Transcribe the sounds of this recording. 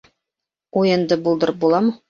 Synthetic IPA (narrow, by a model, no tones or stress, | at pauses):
ujɤ̆nd̪ɤbulˠd̪ɤɾp̚bulˠɑmɤ